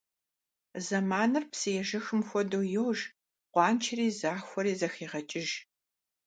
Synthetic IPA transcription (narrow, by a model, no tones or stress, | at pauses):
zɐmaːnɨrpsɨjɛʒɐxɨmxʷɔdowjɛwʒ | qʷɑːnt͡ʃʰɪriːzaːxʷɔɾiːzɐxeːʁɐt͡ʃʼɪʒ